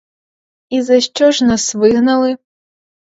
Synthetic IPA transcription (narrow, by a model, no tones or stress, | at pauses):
izɐɕt͡ʂɔʐnasvɨɣnɐlˠɨ